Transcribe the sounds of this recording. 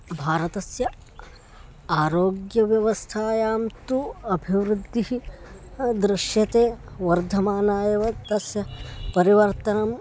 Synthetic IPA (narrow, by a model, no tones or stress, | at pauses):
bʱaːɾɐt̪ɐsjɐ | aːɾoːɡjɐʋjɐʋɐst̪ʰaːjaːmt̪uɐbʱiʋɾud̪ʱːiɦi | d̪ɾɪʃjɐt̪eːʋɐɾd̪ʱɐmaːnaːjɐʋɐt̪ɐsjɐpɐɾiʋɐɾt̪ɐnɐm